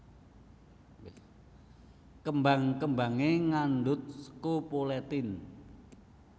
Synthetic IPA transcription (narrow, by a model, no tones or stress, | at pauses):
kəmbaŋkəmbaŋeŋanɖʊt̪̚sə̥kopolɛt̪ɪn